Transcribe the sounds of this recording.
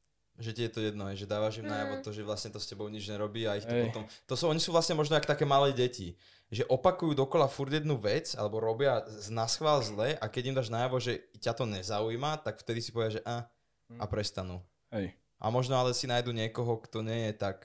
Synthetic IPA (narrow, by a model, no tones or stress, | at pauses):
ʒɛcijɛt̪ɔjɛd̪nɔɦɛjʒɛd̪aːʋaʒimnajaʋɔt̪ɔʒɛʋlasɲɛt̪ɔscɛbɔʊɲid͡ʒɲɛɾɔbiːaixt̪ɔpɔt̪ɔmt̪ɔsɔɲisuːʋlasɲɛmɔʒnɔakt̪akɛːmalɛːɟɛci | ʒɛʔɔpakujuːd̪ɔkɔlafuɾɟjɛd̪nuʋɛt͡sa̰lɛbɔɾɔbɪanasxʋaːlzlɛʔakɛɟimd̪aːʒnajaʋɔʒɛcat̪ɔɲɛzauimat̪akft̪ɛd̪isipɔʋɛd̪jaʒɛʔa | apɾɛst̪anu | ɛ | ʔa̰mɔʒnɔalɛsinajd̪uːɲɪɛkɔɦɔkt̪ɔɲɛjɛt̪ak